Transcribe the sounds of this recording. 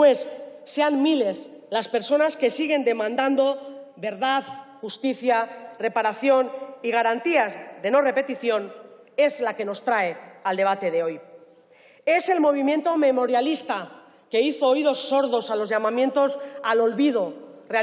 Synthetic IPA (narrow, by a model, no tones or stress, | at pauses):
we̞sːe̞anmile̞s | laspe̞ɾso̞naske̞siɣ̞e̞nd̪e̞mãnd̪and̪o̞βe̞ɾðaðxust̪iθjare̞paɾaθjo̞niɣ̞aɾant̪iazðe̞no̞re̞pe̞t̪iθjo̞n | e̞zlake̞no̞st̪ɾae̞ald̪e̞β̞at̪e̞ð̞e̞o̞j | e̞se̞lmo̞β̞imje̞nt̪o̞me̞mo̞ɾjalist̪a | ke̞iθoːjðo̞sːo̞ɾðo̞salozʝamãmje̞nt̪o̞salo̞lβið̞o̞rea